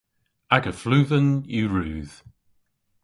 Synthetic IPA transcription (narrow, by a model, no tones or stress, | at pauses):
aɡəflʉːðənjʉɹʉːð̥